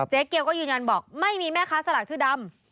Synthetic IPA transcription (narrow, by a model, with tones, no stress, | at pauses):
t͡ɕe˦˥kːi˧əwkɔː˥˩jɯː˧nɲa˧nbɔː˨˩k̚ma˥˩jmiː˧mɛː˥˩kʰaː˦˥sa˧laː˨˩k̚t̪ʰɯː˥˩da˧m